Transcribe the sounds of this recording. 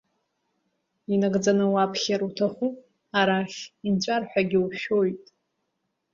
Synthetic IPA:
inaɡʼd͡zanɨwapʰχʲaɾutʰaχʷu | aɾaχʲint͡ʃʷʼarħʷᶣaɡʲɪuʃo̞jtʼ

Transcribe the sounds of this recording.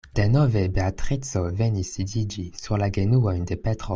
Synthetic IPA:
d̪̥enɔvebeat̪χit͡sovenisid̪id͡ʒisyʁlaɡenuand̪epɛt̪χo

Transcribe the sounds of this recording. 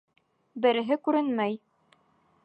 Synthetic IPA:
bɘ̆ɾɘ̆ɦɘkʉɾɘnmæj

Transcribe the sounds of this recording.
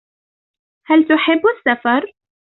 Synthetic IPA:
halt̪ʊħɪbːasːafɑɾˤ

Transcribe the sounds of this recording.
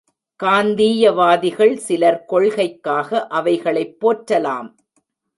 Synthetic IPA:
kaːnd̪iːjɐʋaːðɪɣɐɭsɪlɐɾkɔɭɣɐɪkːaːɣɐʔɐʋɐɪɣɐɭɐɪpːoːʈɾɐlaːm

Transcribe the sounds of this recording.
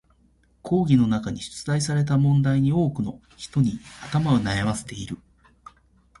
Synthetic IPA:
kʰo̞ːɡʲino̞nakaɲ̟iɕɨ̥t͡sɨzaisaɾe̞t̪̬amõ̞nd̪aiɲ̟io̞ːkɯ̟no̞ | çi̥t̪o̞ɲ̟iat̪amao̞najamase̞̥t̪e̞iɾɯ̟

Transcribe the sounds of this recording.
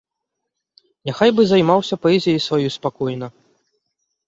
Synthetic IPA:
nʲaxajbɨzajmawsʲɐpɐɛzʲijjsvajuspakɔjnɐ

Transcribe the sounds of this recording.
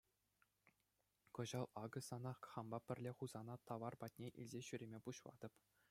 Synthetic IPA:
kɤ̆ʑɑlˠɑɡɤ̆sɑnɑχχɑmbɑpʲɘ̆rʲlʲeχuzɑnɑt̪ɑʋɑrbɑt̚ʲnʲeʔḭlʲzʲeɕyɾʲemʲepuɕlˠɑ̰d̪ɤ̆p

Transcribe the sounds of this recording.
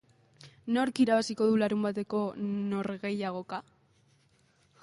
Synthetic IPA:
no̞ɾkiɾaβasiko̞ðulaɾumbat̪e̞ko̞no̞ɾɣe̞jaɣ̞o̞ka

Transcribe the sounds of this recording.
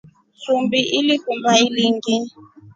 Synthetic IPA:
sumbiʔilikumbailiŋɡi

